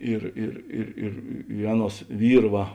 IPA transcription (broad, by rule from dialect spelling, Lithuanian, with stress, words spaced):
ˈɪr ɪr ɪr ɪr ɪ ˈɑːˌnuɔs ˈʋʲiːr ˈʋɐ